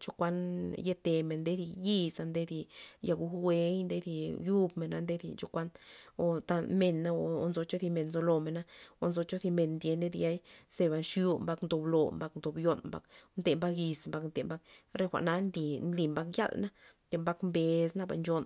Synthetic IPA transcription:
t͡ʃo˦kʷa˦nje˦t̪e˨me˨nd̪e˦d̪i˧ji˦˧sa˧nd̪e˦d̪i˧ja˧ɡu˧we˧˦jnd̪e˦d̪i˧ju˦bme˨na˦nd̪e˦d̪ḭ˧t͡ʃo˦kʷa˦no˨t̪a˧me˨nːa˦o˨o˧nzo˧t͡ʃo˦θi˧me˨nnzo˧lo˨me˨na˦o˧nzo˧t͡ʃo˦d̪i˧me˨nnd̪je˧ne˦d̪ja˦jse˧ba˧˨nʃju˧mba˧knd̪o˧˨blo˨mba˧knd̪o˨bjo˧nmba̰˦knt̪e˨mba˦ki˧smba˧knt̪e˨mba˦k̚ɾe˦xʷa̰˨ʔna˦nd̪i˨nli˧˨mba˦kja̰˦lna˦d̪e˧mba˦kmbe˨sna˦ba̰˨nd͡ʒo˧n

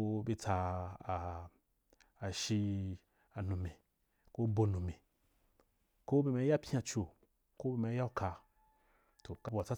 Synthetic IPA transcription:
be˧t͡sa˧˨ | a˨ʃi˧ | a˨nũ˨mẽ˨ | ko˦bo˧nũ˨mẽ˨ | ko˦be˧˨mẽ˧˦ja˦pʲã˧t͡ʃo˨ | ko˦be˧˨mẽ˧˦ja˦ka˧ | to˨ka˦wa˨t͡sa˦

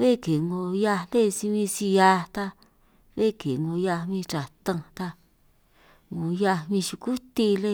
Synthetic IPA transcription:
βe˦˨ke˨ŋõ˧ja˧nd̪e˦˨˧si˧βĩ˧si˧ja˧t̪a˧ | βe˦˨ke˨ŋõ˧ja˧mĩ˧t͡ʃa˨t̪ã˧t̪a˧ | ŋõ˧ja˧mĩ˧ʃu˧ku˦t̪i˧le˦˧

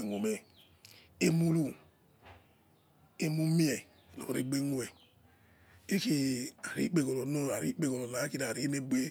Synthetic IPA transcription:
ŋ˨o˨me˨ | e˦mu˦lu˦ | e˦mu˦mi˦e˨ | lo̰˨ɾi˦ɡ͡be˦ŋo˦e˨ | e˦ki˦a˨ɾḭ˦k͡pe˨ko˨lo˨no˦ɾa˨ɾḭ˦k͡pe˦ko˨lo˨na˨˦ki˦na˨ɾi˨˦ne˦bʷe˦

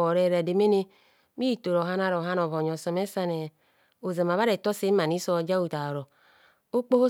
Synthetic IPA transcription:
o˨ɾe˨ɾa˨de˨me˦ne˦ | mi˦˨to˨ɾo˨a˦na˦ɾo˨ɦa˦no˨vo˨ɲ˨o˨so˨me˦sa˦ne˨ | o˨ze˨m˨a˨βa˦ɾe˨to˦se˦ma˨ni˦so˦˨d͡ʒa˦u˨ta˨ɾo˨ | o˦k͡po˦ho˦

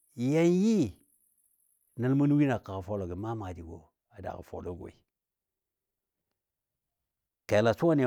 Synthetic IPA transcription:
ja˦nji˦ | nə˦lmu˦n˦wi˦na˨ka˨ɣa˨fo˦lo˨ɡi˨ma˦ma˨di˨ɡo̰˨ | a˨da̰˨a̰˨fo̰˨lo˦ɡʷo̰˨i˨ | ke˨la˨su˦wa˦ni˨

